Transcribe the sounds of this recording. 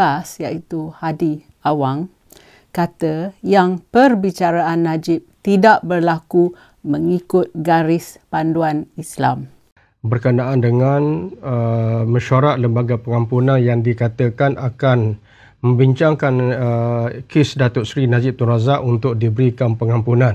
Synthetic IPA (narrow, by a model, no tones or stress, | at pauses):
pasjaʔit̪uhadi | awaŋ | kat̪əjaŋpərbit͡ʃaɾaanːad͡ʒɪp̚t̪idaʔbərlaku | məŋikʊt̪̚ɡaɾɪspanduanisla̰m | bərkənaʔandəŋanəmə̃ʃaɾaʔ̪̚ləmbaɡapəŋampunanjaŋdikat̪əkanakan | mə̃mbiɲt͡ʃaŋkanəkɪsdat̪ʊʔ̪sɾinad͡ʒɪp̚t̪unɾazaʔunt̪ʊk̚dibəɾikanpəŋampunan